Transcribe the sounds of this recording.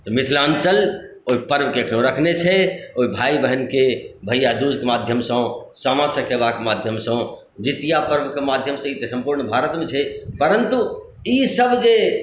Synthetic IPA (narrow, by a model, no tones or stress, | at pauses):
t̪ɔmit̪ʰlə̃nt͡ʃəloipəɾbʱkeəkʰnoɾəkʰnet͡ʃʰɛoibʱaibəɦənkebʱəjad̪ud͡ʒkemad̪ʱjəmsə̃saməɾt̪ʰəkebakemad̪ʱjəmsə̃ | d͡ʒit̪ijapəɾbkemad̪ʱjəmsə̃it̪sə̃mpuɾɳbʱaɾət̪mẽt͡ʃʰɛpəɾənt̪u | isəbd͡ʒe